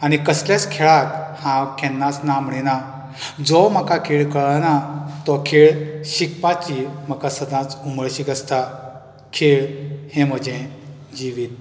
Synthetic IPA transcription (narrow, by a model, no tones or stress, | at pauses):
añikəslat͡skʰɛɭakhãkʰɛ̃nːasnamɽina | d͡zɔməkakʰeɭkəɭanat̪ɔkʰeɭɕikpat͡ɕim̤əkasəd̪ãt͡suməɭɕikəst̪a | kʰeɭhẽm̤əd͡ʑẽ | d͡ʑiʋiːt̪̚